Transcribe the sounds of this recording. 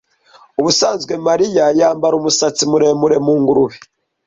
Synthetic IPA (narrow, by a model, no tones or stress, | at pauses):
uβusaːnzɡwe̞maɾijajaːmbaɾumusat͡simuɾe̞muɾe̞muːŋɡuɾuβi